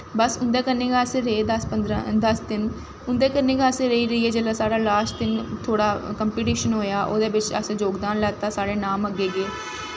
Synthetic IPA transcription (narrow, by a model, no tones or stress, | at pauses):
bəsʊnd̪eːkənːeːɡaːsẽːɾəeːd̪əspəd̪ɾad̪əsd̪ɪn | ʊnd̪eːkənːeːɡaːəsẽːɾəiːɾəiːɦɛːd͡ʒəːlaːsaːɽaːlaːsʈt̪ɪnt̪ʰoːɽaːkəmpiːʈiːʃənɦoːjaːʔo̰ːd̪eːbɪt͡ʃə̰sẽːd͡ʒoːɡd̪aːnlɛːt̪aːsaːɽeːnaːməɡeːɡeː